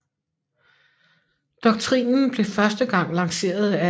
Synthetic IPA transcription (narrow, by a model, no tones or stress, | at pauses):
d̥ɒ̽ɡ̥̚t͡sʰʁḭːnn̩b̥le̝fɶɐsd̥əɡ̥ɑ̈ŋ̰lɑ̈ŋse̝̰ːɐð̞ˠæ